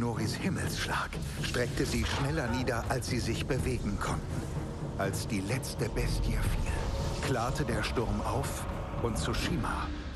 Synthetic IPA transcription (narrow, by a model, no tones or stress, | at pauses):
noːʁishɪml̩sʃla̰ːk | ʃtʁ̥ɛk̚təziːʃnɛlɐniːdɐʔalsz̥iːzɪçb̥əveːɡŋ̩kʰɔntn̩ | ʔalsd̥iːlɛt͡stəbɛstjəfiːlkʰl̥aːɐtədeːɐʃtʊɐmʔaʊf | ʔʊntsuʃiːma